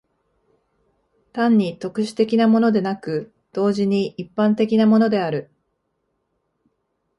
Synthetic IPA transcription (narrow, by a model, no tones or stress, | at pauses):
t̪ãɲ̟ːit̪o̞kɯ̟ɕi̥t̪e̞kʲinamo̞no̞d̪e̞nakɯ̟ | d̪̥o̞ːʑiɲ̟iʔipːãnt̪e̞kʲinamo̞no̞d̪e̞aɾɯ̟